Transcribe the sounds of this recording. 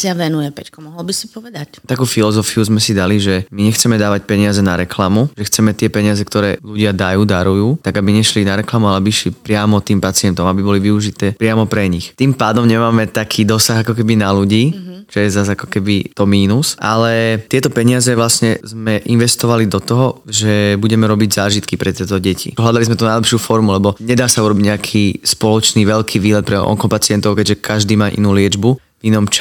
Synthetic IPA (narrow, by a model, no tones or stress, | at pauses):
saʋɛnujɛpɛckɔmɔɦɔlbisi̥pɔʋɛd̪act̪akuːfilɔzɔfiuzmɛsid̪aliʒɛmiɲɛxt͡sɛmɛd̪aːʋac̚pɛɲɪazɛnaɾɛklamuʒɛxt͡sɛmɛt̪ɪɛpɛɲɪazɛkt̪ɔɾɛːluɟɪad̪ajuːd̪aɾujuːt̪aɡabiɲɛʃlinaɾɛklamualabiʃlipɾɪamɔt̪iːmpat͡sɪɛnt̪ɔmabibɔliʋiuʒit̪ɛːpɾɪamɔpɾɛɲixt̪impaːd̪ɔmɲɛmaːmɛt̪akʰiːd̪ɔsaɣakɔkɛbinaluɟiːt͡ʃɔjɛzazakɔ̥kɛbit̪ɔmiːnusʔalɛt̪ɪɛt̪ɔpɛɲɪazɛʋlasɲɛzmɛʔinʋɛst̪ɔʋalid̪ɔt̪ɔɦɔʒɛbuɟɛmɛɾɔbiɟzaːʒit̪kipɾɛt̪ɛːt̪ɔɟɛcʰḭɦlad̪alizmɛt̪unajlɛpʃɪuːfɔɾmulɛbɔɲɛd̪aːsauɾɔbiɟɲɛakʰiːspɔlɔt͡ʃniːʋɛʎkʰiːʋiːlɛt̪̚pɾɛʔɔ̰ŋkɔpat͡sɪɛnt̪ɔʊkɛɟʒɛkʰaʒd̪iːmaːʔḭnuːlɪɛd͡ʒbu | vinɔmt͡ʃa